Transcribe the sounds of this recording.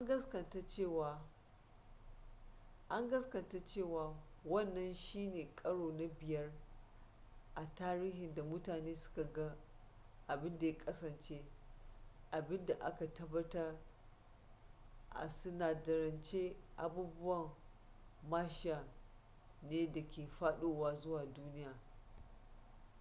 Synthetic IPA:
ʔa˦ŋɡɐ˦skɐ˨nta˦t͡ʃeː˦˨waː˨ | ʔa˦ŋɡɐ˦skɐ˨nta˦t͡ʃeː˦˨waː˨wɐ˦˨nːɐ˦nʃiː˦neː˨kʼɐ˦ɽoː˨na˦bɪ˨jɐ˦r | ʔa˨taː˦ɾiː˦hɪ˨nda˨mʊ˦taː˨neː˦sʊ̥˦ka˨ɡa˦ | ʔa˨bɪ˦nda˨ja˦kʼɐ˦sɐ˨nt͡ʃeː˦ | ʔa˨bɪ˦nda˨ʔa̰˦ka˨tɐ˦bːɐ˦tɐ˦r | ʔa̰˨sʊ˦naː˨dɐ˨ɾɐ˨nt͡ʃe˦ʔa˨buː˦bʊ˦wɐ˨m | maː˦ʃɪ˦a˨ | neː˦dɐ˨kʲeː˨ɸaː˦ɗoː˦waː˦zʊ˦waː˨duː˦nɪ˦jaː˨

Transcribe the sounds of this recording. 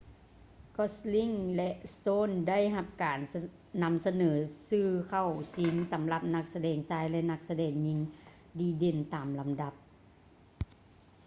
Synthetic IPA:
kʰɔ˧sli˧˥˨ŋlɛ˧ʔst̪oː˧˥˨nda˥˨jɦa˧p̚kaː˨˩n | na˧˥msa˧nɤː˩˦sɯː˧˩kʰa˧˩wsi˨˦ŋsa˨˦mla˧p̚na˧k̚sa˧dɛː˨˩ŋsaː˧˥jlɛ˧na˧k̚sa˧dɛː˨˩ŋɲi˧ŋ | diː˧˦de˨˩nt̪aː˨˩mla˨˦mda˧˦p̚

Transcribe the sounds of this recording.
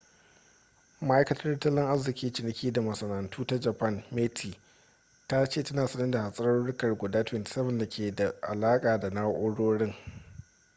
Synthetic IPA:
ma˦ʔa˦jkɐ˦tɐ˦rtɐ˦lɪ˦ŋʔa˦zɪ˨kʲiː˦t͡ʃɪ˨nɪ˨kʲiː˦da˨mɐ˨sɐ˨nɐ˨ntuː˦ta˦d͡ʒɐ˨pɐ˦nme˦tʰiː˨ | ta˦t͡ʃeː˦˨tɐ˦naː˨sɐ˦nɪ˦da˨ha˨sʼɐ˦ɾɐ˦ɽɽʊ˦kɐ˨rɡʷʊ˨daː˦tɪ˦˨ntɪ̥˨˦sɐ˦bɐ˨nda˨kʲʰeː˨da˨ʔa̰˨laː˦kʼaː˨da˨naː˦ʔʷoː˦ɽoː˦ɽɪ˦ŋ

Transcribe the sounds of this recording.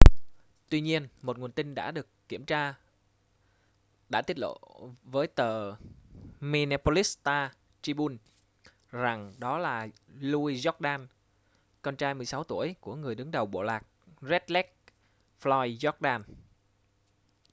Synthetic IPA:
t̪wi˧ɲi˧ənmo˨˩t̚ŋ˨˩ənt̪ï˧ŋ̟ɗa̰ː˧˥ɗɨ˨˩əkːi˧˩əmt͡ɕaː˧ | ɗa̰ː˧˥t̪i˦˥ət̚lo̰˧˨vəː˨˦jt̪əː˨˩ | mi˧naː˧po˧li˦˥st̪aː˧ | t͡ɕi˧ɓu˧n | za˨˩ŋɗɔ˨˦laː˨˩lu˧i˧zɔ˦˥t̚ɗaː˧n | kɔ˧nt͡ɕaː˧jmɨ˨˩əjsa˨˦wt̪u˧˩əjku˧˩əŋɨ˨˩əjɗɨ˨˦ŋɗə˨˩wɓo̰˧˨laː˨˩k̚zɛ˦˥t̚lɛ˦˥k̚ | flɔ˧jzɔ˦˥t̚ɗaː˧n

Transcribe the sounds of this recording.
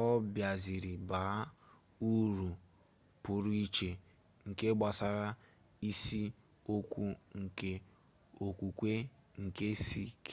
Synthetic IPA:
ɔ˦bja˨zi˨ɾɪ˨ba˨˦ | u˦ɾu˨ | pʊ˨ɾu˦i˦t͡ʃe˨ | ŋ̩˨ke˦ɡ͡ba˨sa˨ɾa˦ | i˦si˦ | o˦kʷu˦ŋ̩˨ke˨ | o˨kʷu˨kʷe˦ | ŋ̩˨ke˦si˦k

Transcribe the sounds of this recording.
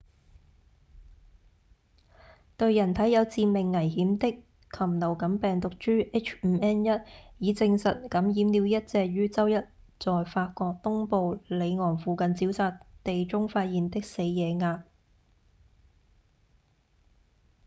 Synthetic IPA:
t̪ɵ˧ɥjɐ˨˩nt̪ʰɐ˨˥jɐ˨˧wt͡siː˧mɪ˨ŋːɐ˨˩jhiː˨˥mt̪ɪ˥k | kʰːɐ˨˩mnɐ˨˩wkɐ˨˥mpɛː˨ŋt̪ʊ˨k̚t͡ʃyː˥ʔe˥t͡ʃʰm̩˨˧ɛː˥njɐ˥t̚jiː˨˧t͡sɪ˧ŋsɐ˨t̚kɐ˨˥mjiː˨˥mliː˨˧wjɐ˥t̚t͡sɛː˧k̚jyː˥t͡sɐ˥wjɐ˥t̚ | t͡sɔː˨jfaː˧t̚kɔː˧k̚t̪ʊ˥ŋpo˧wle˨˧jŋɔː˨˩ŋfuː˨˩kɐ˨nt͡siː˨˥wsaː˧tt̪e˨jt͡sʊ˥ŋfaː˧t̚jiː˨nt̪ɪ˥k̚se˨˧jjɛː˨˧ŋaː˧p̚

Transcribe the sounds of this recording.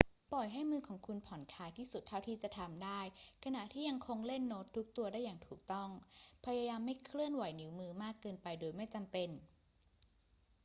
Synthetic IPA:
pɔ˨˩jɦa˥˩jmɯː˧kʰɔː˩˦ŋkʰu˧npʰɔ˩˦nkʰaː˧˥jt̪ʰiː˥˩su˨˩t̪ʰːa˥˩wt̪ʰiː˥˩t͡ɕa˨˩t̪ʰa˧mdaː˥˩jkʰa˧na˨˩ʔt̪ʰiː˥˩ja˧ŋkʰo˧ŋle˥˩nːo˦˥t̪ʰːu˦˥k̚t̪u˧ɐdaː˥˩jːaː˨˩ŋt̪ʰuː˨˩k̚t̪ɔ˥˩ŋpʰa˧jaː˧jaː˧mːa˥˩jkʰlɯ˥˩ənwa˨˩˦jni˨˩˦wmɯː˧maː˥˩kːɤː˧npa˧jdoː˧jma˥˩jt͡ɕa˧mpe˧n

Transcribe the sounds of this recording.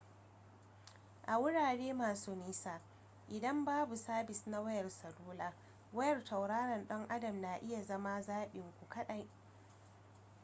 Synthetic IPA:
ʔa˨wʊ˦ɽaː˨ɽeː˦maː˨suː˦ni˦sa˨ | ʔɪ˨dɐ˦mbaː˦bu˨saː˦bɪ˨sna˦wɐ˦jɐ˨rsɐ˨luː˦laː˦ | wɐ˦jɐ˨rtɐ˨wɽaː˦ɽɐ˨nɗɐ˦ŋʔa˦dɐ˨mna˨ʔɪ˦ja˨zɐ˦ma˦zaː˦ɓɪ˨ŋkʷu˨kɐ˦ɗa˨j

